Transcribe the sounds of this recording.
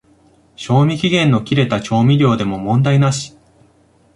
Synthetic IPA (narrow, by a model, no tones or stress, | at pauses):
ɕo̞ːmʲikʲiɡẽ̞nːo̞kʲiɾe̞t̪at͡ɕo̞ːmʲiɾʲo̞ːd̪e̞mo̞mõ̞nd̪ainaɕi̥